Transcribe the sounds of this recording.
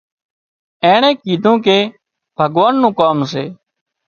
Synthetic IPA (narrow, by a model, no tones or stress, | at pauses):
ẽːɳẽːkiːd̪ʱũːkeː | b̥ʱəɡʋaːnːũːkaːms̬eː